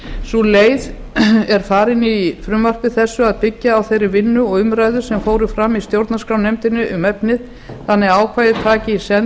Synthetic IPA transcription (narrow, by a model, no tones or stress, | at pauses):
suleːjð | ɛɾ̥faːɾɪnɪifɾʏmvar̥pɪθɛsːʏaðpɪcːaːwθejɾɪvɪnːʏɔɣʏmɾajðʏsɛmfoːwɾɪfɾamːist̪jowɾt̪naskɾawnejmt̪ɪnːʏʔʏmɛpnɪð | θanːɪaːwkʰvaːjðɪt̪ʰaːcɪisɛn